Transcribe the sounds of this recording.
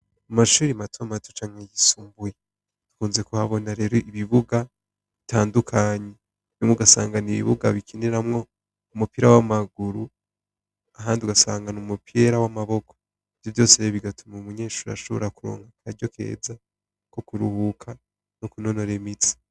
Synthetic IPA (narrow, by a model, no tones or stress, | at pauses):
amaʃuːɾimatʰomatot͡ʃaːŋ̥hejisuːmbuje | tu̥kuːnze̞kuhaβo̞naɾe̞ːɾo̞ʔiβiβuɡa | ββitʰaːndukʰaɲe | imŋoɡasa̰ːŋɡaniβḭβṵɡaβikʰineɾamŋo̞ | umupiɾawamaɡuɾu | aɦaːndiuɡasa̰ːŋɡanumupeɾawamaβo̞kʰo̥ | iv̥jovjo̞ːseeβiɡatumaumuɲeːʃuːɾa̰ʃoβoɾakuɾo̰ːŋhakʰaɟo̞kʰe̞̰ːza | ko̞kuɾuhukʰa | nokuno̞no̞ɾemit͡sḁ